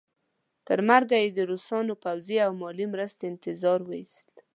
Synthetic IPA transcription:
t̪əɾmaɾɡajed̪əɾosɑnopawziawmɑlimɾəst̪eɪnt̪ɪzɑɾwəist̪

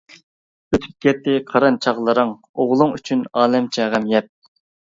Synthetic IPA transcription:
øt̪ʰy̥p̚kʲɛt̪ʰːɪqʰɑɾɑnt͡ʃʰɑʁlˠəɾəŋ | oʁlˠʊŋyt͡ʃʰynɑːlɛmt͡ʃʰɛʁæmjɛp̚

